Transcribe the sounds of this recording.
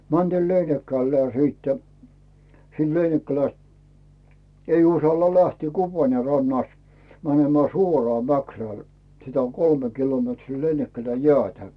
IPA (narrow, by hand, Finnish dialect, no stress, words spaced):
mæntiːl leinikːælːæː siːtːæ̥ siːn leinikːælæst ei usɑlːɑ læhtiː kupɑrne rɑnːɑst mænemæː suorɑː mækræˑl sitæ on kolme kilometriː leinikːælæj jĕæˑtæ